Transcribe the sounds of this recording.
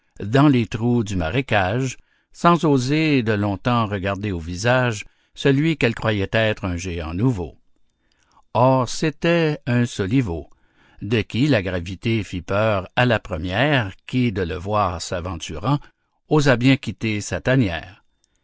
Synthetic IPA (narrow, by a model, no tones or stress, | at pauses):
d̪ɑ̃let̪ʁud̪ymaʁekaʒ | sɑ̃zozed̪əlɔ̃t̪ɑ̃ʁəɡaʁd̪eovizaʒ | səlɥikɛlkʁwajɛt̪ɛːt̪ʁɛ̃ʒeɑ̰̃nuvo̰ | ɔːʁset̪ɛɛ̃sɔlivo | d̪əkʲilaɡʁavit̪efipœːʁalapʁəmjɛːʁkʲid̪ələvwaːʁsavɑ̃t̪yʁɑ̃ | ozabjɛ̃kʲit̪esat̪anjɛ̰ːʁ